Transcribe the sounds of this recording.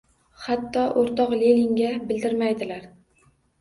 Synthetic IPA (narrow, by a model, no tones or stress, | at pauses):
hat̪ːɒʔoɾt̪ɒqlilɪŋɡʲabɪld̪ɪɾmajd̪ɪlaɾ